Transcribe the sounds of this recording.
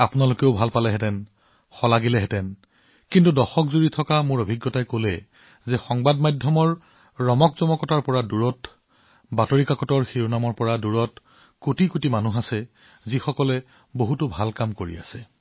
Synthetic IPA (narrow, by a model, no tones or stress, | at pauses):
apunalokeʊbʱalpalɛɦɛtɛn | xɔlaɡilɛɦɛtɛn | kintudɔxɔkzuɹitʰɔkamʊɹobʱiɡːɔtajkolɛ | zɛxɔŋbadmajdʱjɔmɔɹː | ɔmɔkzɔmɔkɔtaɹpɔɹaduɹɔt | batoɹikakɔtɔɹxiɹunamɔɹpɔɹaduɹɔt | kutikutimanuɦasɛ | zixɔkɔlɛ | boɦutʊbʱalkamkoɹḭa̰sɛ